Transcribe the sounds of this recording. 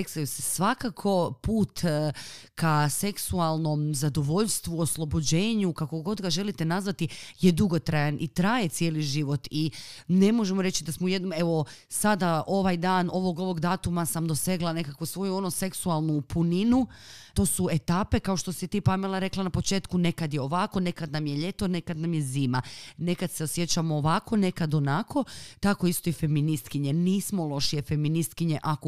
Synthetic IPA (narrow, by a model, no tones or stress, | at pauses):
eksajusesʋakakʰo̞puːt̪ | kase̞ksualˠno̞mzad̪oʋo̞ʎst̪ʋuo̞slˠo̞bod͡ʑe̞ːɲukako̞ɡo̞d̪ɡaʒe̞lit̪e̞nazʋat̪ijed̪uɡot̪ɾajanʔit̪ɾaːje̞t̪sjeːliʒiʋo̞t̪ine̞mo̞ʒemoɾe̞t͡ɕid̪asmouje̞d̪nome̞ʋo̞sad̪ao̞ʋajd̪aːno̞ʋo̞ɡo̞ʋo̞ɡd̪aːt̪umasamd̪o̞se̞ɡlˠane̞kakʋosʋo̞juo̞nose̞ksualˠnupuninut̪o̞ːsuet̪aːpe̞kao̞ʃt̪o̞sit̪iːpamelaɾe̞klanapo̞t͡ʃe̞ːt̪kune̞kad̪jeo̞ʋako̞ne̞kad̪namje̞ʎe̞t̪o̞ne̞kad̪namje̞ziːmane̞kad̪̥seo̞sje̞t͡ɕamoːʋakʰo̞ne̞kad̪o̞nakʰo̞t̪ako̞ist̪o̞ife̞minist̪kiɲe̞niːsmo̞lˠo̞ʃijefe̞minist̪̚kiɲe̞ʔako